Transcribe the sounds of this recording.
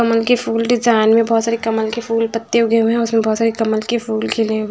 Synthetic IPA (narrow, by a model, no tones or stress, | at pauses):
ɐməlkepʰuːlɖɪd͡ʒaːɪnmẽbɔːt̪saːɾekɐməlkepʰuːlpət̪ːeʊɡeũɦɛ̃ʊsmẽbɔːt̪saːɾekɐməlkepʰuːlkʰɪle